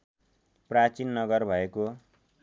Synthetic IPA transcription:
prat͡sinːʌɡʌrbʱʌeko

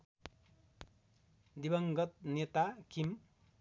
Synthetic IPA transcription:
d̪ibʌŋɡʌt̪̚net̪akʰim

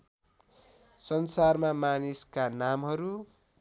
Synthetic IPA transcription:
sʌnsarmamaniskanamɦʌɾu

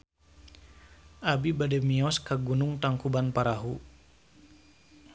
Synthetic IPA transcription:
ʔabibadɛmiɔskaɡunuŋt̪aŋkubanpaɾaɦu

